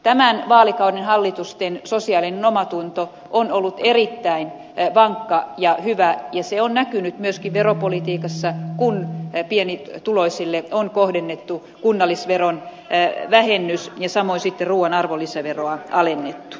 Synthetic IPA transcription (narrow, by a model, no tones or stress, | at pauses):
t̪æmænʋɑːlikɑudenhɑlːit̪ust̪ensosiɑːlinenomɑt̪unt̪o | ʔonolːut̪erit̪ːæin | ʋɑŋkːɑjɑhyʋæjɑseonnækynyt̪myøskiʋʋeropolit̪iːkɑsːɑkunpienit̪uloisilːeonkohdenːet̪ːu | kunːɑlːˑisʋeron | ʋæhenːysjɑsɑmoinsit̪ːeruːwɑnɑrʋolːisæʋeroɑʔɑlenːet̪ːu̥